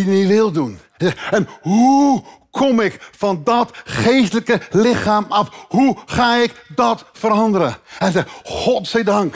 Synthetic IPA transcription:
iniʋɪlˠdun | zɛɛnɦukʰɔmɪkfɑndɔtχejstələkəlɪχaːmɑfhuχaːɪkdɑtfəɾɑndəɾəɛzɛχɔtsɛdɑŋk

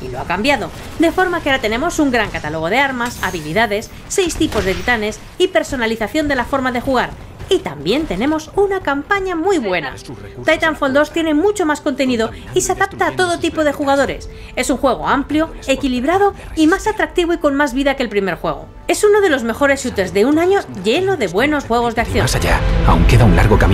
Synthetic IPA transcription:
ḭlo̞akambjaðo̞ | d̪e̞fo̞ɾmakeaɾat̪e̞nẽ̞mo̞suŋɡɾaŋkat̪alo̞ɣ̞o̞ð̞e̞aɾmasa̰βiliðaðe̞sːe̞jst̪ipo̞zðe̞t̪it̪ane̞s | ipe̞ɾso̞naliθaθjo̞nd̪e̞lafo̞ɾmaðe̞xuɣ̞aɾ | it̪ambje̞nt̪e̞nẽ̞mo̞sunakampaɲamujβwe̞na̰ | t̪ajt̪aɱfold̪o̞st̪je̞ne̞mut͡ʃo̞masko̞nt̪e̞niðo̞ | iseaðap̚t̪aːt̪o̞ð̞o̞t̪ipo̞ðe̞xuɣ̞að̞o̞ɾe̞̰s | e̞suŋxwe̞ɣ̞o̞̰ampljo̞ | e̞kiliβɾað̞o̞ | imasat̪ɾak̚t̪iβoiko̞nmazβiðakelpɾime̞ɾxwe̞ɣ̞o̞̰ | e̞suno̞ð̞e̞lo̞zme̞xo̞ɾesut̪ezðe̞unãɲo̞ʝe̞no̞ðe̞βwe̞no̞sxwe̞ɣ̞o̞zðe̞ak̚θjosaʝa̰a̰wŋkeðaunla̰ɾɣo̞kam

